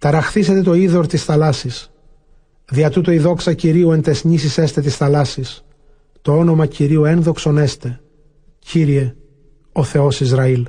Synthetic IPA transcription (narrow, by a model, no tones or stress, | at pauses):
t̪ɐɾɐxθise̞t̪e̞t̪o̞iðo̞ɾt̪isθɐlɐsis | ðiɐt̪ut̪oiðo̞ksɐciɾiuent̪e̞sɲisise̞st̪e̞t̪̬isθɐlɐsis | t̪oo̞no̞mɐciɾiue̞nðo̞kso̞ne̞st̪e̞ | ciɾie̞ | o̞θe̞o̞sizɾɐil